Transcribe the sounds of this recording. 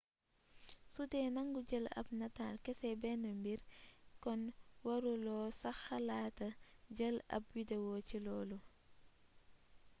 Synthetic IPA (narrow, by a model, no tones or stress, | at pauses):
sutɛːnɐŋɡuɟəlɐ̰pnɐtaːlkɛsɛbɛnəmbiɾkɔnwɐɾulɔːsɐxɐlaːtɐɟəlɐ̰p̚widɛwɔːcilɔːlu